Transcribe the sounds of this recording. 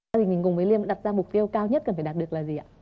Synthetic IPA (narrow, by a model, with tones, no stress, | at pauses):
ɗi˨˩ŋ̟mi˨˩ŋkʊ˨˩ŋ͡mvə˨˦li˧əm̰˧˥nɗa˨˩p̚zaː˧mʊ˨˩k͡p̚t̪i˧əwkaː˧wɲə˦˥t̚kə˨˩nfaː˧˩ɗa˨˩t̚ɗɨ˨˩ək̚laː˨˩zi˨˩ʔaː˨˧˦